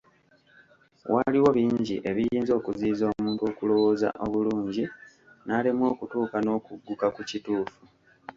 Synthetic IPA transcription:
wʔaliwo̞βiːɲɟiʔe̞βijiːnzo̞ːkuziːzo̞ːmuːntuo̞ːkulo̞wo̞ːza̰ʔo̞βuluːɲɟi | naːlemwo̞ːkutuːkano̞ːkuɡːukakucituːfu

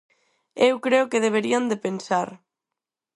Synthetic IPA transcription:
ewkɾeʊkeðeβ̞eɾiand̪epensaɾ

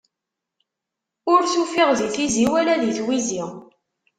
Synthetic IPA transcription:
ʊɾθufiʁðiθiziwælæðiθwiziʁ

